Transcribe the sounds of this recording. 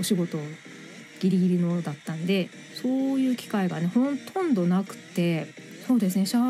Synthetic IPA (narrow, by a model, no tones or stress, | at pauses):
o̞ɕiɡo̞t̪o̞ | ɡ̥ʲiɾʲiɡʲiɾʲino̞d̪at̪ːãnd̪e̞ | so̞ːjɯ̟ːkʲi̥kaiɡane̞hõ̞nt̪ʰõ̞nd̪o̞nakɯ̟̥t̪e̞ | so̞ːd̪e̞s̬ɨneɕa